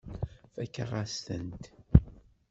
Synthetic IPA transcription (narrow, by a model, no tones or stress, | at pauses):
fækːaʁast̪ənt̪